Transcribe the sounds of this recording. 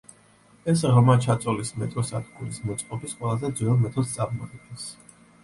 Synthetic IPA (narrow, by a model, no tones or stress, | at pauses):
ɛsʁmat͡ʃʰat̪sʼɔlismɛt̪ʼɔsad̪ɡuɾismɔt̪sʼqʼɔbisqʼwɛlˠazɛd̪zɛɔɾmɛt̪ʰɔd̪st̪sʼaɾmɔiɡɛns